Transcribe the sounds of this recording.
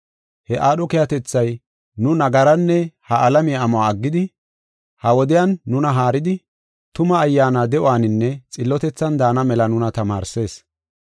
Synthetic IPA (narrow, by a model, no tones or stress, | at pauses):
hɛʔaːɗɔkɛjɐt̪ɛt͡sːɐj | nʊnɐɡɐɾɐnːɛhɐʔɐlɐmɪjaːmɔaːɐɡːɪd̪ɪ | hɐwɔd̪ɪjanːʊnɐɦaːɾɪd̪ɪ | t̪ʊmɐːjːaːnaːd̪ɛʔʊaːnɪnːɛt͡sʼɪlːɔt̪ɛt͡sːɐnd̪aːnɐmɛlɐnʊnɐt̪ɐmaːɾse̞ːs